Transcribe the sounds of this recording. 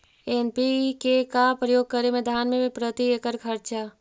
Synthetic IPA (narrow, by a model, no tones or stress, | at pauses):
enpikekapɾəjoːɡ̚kəɾemẽd̪ʱaːnmẽpɾət̪iekəɾkʰəɾt͡ʃa